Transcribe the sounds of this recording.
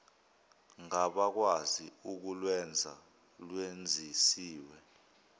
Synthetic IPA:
ŋaɓak̬waziuk̬ulwɛnd͡zʱa̰ | lwend͡zʱisiːwɛ

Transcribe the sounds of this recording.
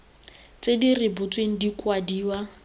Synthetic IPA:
t͡sʼedirɪbʊt͡sʼweŋ̩dikwadiːwa

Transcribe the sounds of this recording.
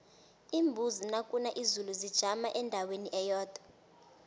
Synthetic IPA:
imbʱuzinakʼunaʔizuluzid̥ʒ̥ʱamaʔɛndʱaweniʔɛjɔːd̥ʱa

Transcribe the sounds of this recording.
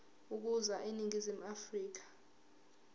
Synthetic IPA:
uk̬uzaʔeniŋʱizim̩afriːk̬ḁ

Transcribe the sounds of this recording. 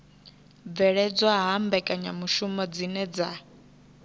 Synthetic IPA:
b̪vɛɺɛd͡zɔɦaɦambɛkʼaɲamuʃumɔd͡zinɛd͡za̰

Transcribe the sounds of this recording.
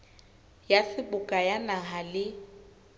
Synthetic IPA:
jasɪbʊkʼajanaɦalɪ

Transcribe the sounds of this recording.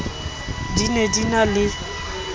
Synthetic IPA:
dinedinalɪ

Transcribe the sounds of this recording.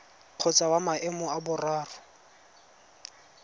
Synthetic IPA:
q͡χʰɔt͡sʼawamaʔɛmʊabʊraːrʊ

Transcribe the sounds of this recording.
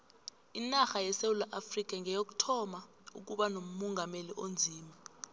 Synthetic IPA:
inaxajɛsewulaʔafrik̬ʼaŋʱɛjok̬u̥tʰɔma | ṵk̬uɓanom̩mɔŋɡʱameliʔond͡zʱiːmi

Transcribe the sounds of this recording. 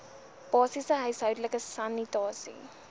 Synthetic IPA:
b̥ɑːsisəɦœɥsɦœɥdləkəsɐnitɑːsḭ

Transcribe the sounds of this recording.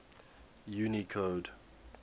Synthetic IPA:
junikʰoːd

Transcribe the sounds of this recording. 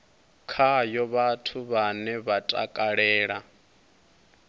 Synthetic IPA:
kʰajɔβatʰuβanɛβatʼa̰kʼaɺɛːɺa

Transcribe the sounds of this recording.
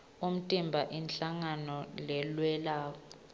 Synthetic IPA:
um̩tʼimbʱaʔinɬaŋanɔlɛlwɛlaːkɔ

